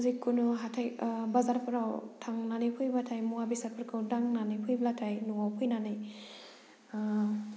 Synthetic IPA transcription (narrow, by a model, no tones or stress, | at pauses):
zikʰːunuɦatʰajbazaɾpʰɯɾawtʰaŋnanipʰɯjbatʰajmuabisaɾpʰɯɾkʰawdaŋnanijpʰɯjblatʰajnuŋawpʰɯjnanɯj